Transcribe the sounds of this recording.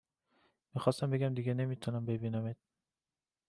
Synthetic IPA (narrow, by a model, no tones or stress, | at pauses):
miːxɒːst̪æmbe̞ɡʲæmd̪iɡʲene̞miːt̪ʰunæmbe̞biːnæmet̪̚